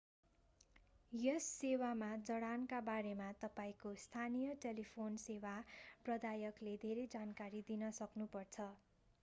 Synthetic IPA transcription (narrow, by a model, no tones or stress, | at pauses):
jʌsːewamad͡zʌɽankabaɾemat̪ʌpaĩkost̪ʰanijʌʈelipʰonsewaprʌd̪ajʌkled̪ʱeɾed͡zankaɾid̪inʌsʌknupʌrt͡sʰʌ